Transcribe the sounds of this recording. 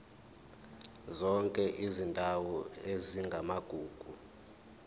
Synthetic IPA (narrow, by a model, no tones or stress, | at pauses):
zɔŋkʼɛʔizindʱawɔeziŋɡʱamaɡ̥ʱuːɡ̥ʱu